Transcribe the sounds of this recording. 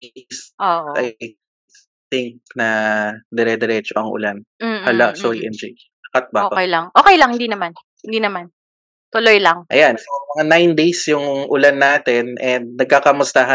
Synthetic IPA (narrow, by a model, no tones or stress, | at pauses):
sʔoʔ̪aj | θɪŋk̚nɐd̪ɛɾɛd̪ɛɾɛt͡ʃoʔɐŋʔʊ̰lan̩hɐlaʔsoiʔɛnd͡ʒoj | ɐkat̪̚baːoːkɛjlɐŋʔo̞ːkɛjlɐŋhɪnd̪iːnɐman | hɪnd̪iːnɐman | t̪ʊlojlaŋʔɐjansmɐŋanajnd̪ejsjʊŋʔʊlanːaːt̪ɛnɛnd̪̚nɐɡ̚kakɐmʊst̪aɦa